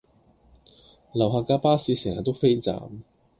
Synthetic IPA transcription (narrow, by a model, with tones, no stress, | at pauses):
lɐ˨˩wɦaː˨˧kaː˧paː˥siː˧sɛ˨˩ŋjɐ˨t̪ːwfe˥jt͡sa̰ː˨˧m